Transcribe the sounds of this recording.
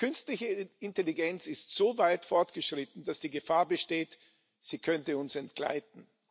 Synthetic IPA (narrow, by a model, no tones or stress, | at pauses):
kʰʏnstlɪçəɪnteliɡɛnt͡sɪstz̥oːvaɪtfɔɐtɡ̥əʃʁ̥ɪtn̩d̥asd̥iːɡəfaːɐbəʃteːt | z̥iːkʰœntəʊnsɛntɡ̥la̰ɪt̚n̩